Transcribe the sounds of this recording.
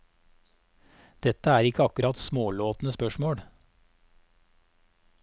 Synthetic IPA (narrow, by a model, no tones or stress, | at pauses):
d̪̥ɛt̪əæːɾɪkəɑkʉɾɑt̪smoːloːt̪n̩əspœʃmoːɽ